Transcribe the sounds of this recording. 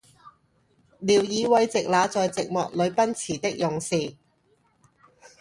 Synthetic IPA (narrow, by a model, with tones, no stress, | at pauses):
liː˨˩wjiː˨˧wɐ˨˧jt͡sɪ˨k̚laː˨˧t͡sɔː˨jt͡sɪ˨k̚mɔː˨k̚lɵ˨˧ɥpɐ˥nt͡sʰiː˨˩t̪ɪ˥k̚jʊ˨ŋsiː˨